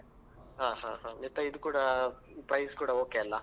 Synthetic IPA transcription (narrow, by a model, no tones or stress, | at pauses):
ɦãːɦãɦãːnit̪ːɐid̪ukuːɽɐpɾɐjskuːɽɐoːkeɐlːɐ